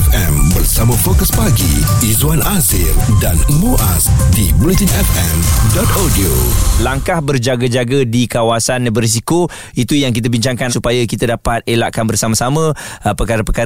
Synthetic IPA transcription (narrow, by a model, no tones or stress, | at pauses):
fɛ̃mbərsamãfokəspaɡḭizuanasḭldanəbuʔasdibulit̪inɛfɛmdɔt̪adiolaŋkahbərd͡ʒaɡad͡ʒaɡədikawasanbəɾis̬iko | it̪ujaŋkit̪̬əbiɲt͡ʃaŋkansupajakit̪adapat̪̚elaʔkanbərsamasamə̃pəkaɾapəka